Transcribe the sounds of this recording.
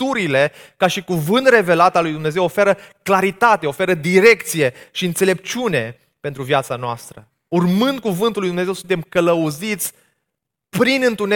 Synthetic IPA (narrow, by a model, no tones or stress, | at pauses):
t̪uɾile̞kaʃikuvɨnt̪re̞velat̪alːujd̪umne̞ze̞wofe̞ɾəklaɾit̪at̪e̞o̞fe̞ɾəd̪iɾe̞kt̪sije̞ʃiɨnt̪se̞le̞p̚t͡ʃune̞ | pent̪ɾuvjat̪sanoa̰st̪ɾə | urmɨnd̪̚kuvɨnt̪ulːujd̪umne̞zewsunt̪emkələuzit̪sʲ | pɾinɨnt̪une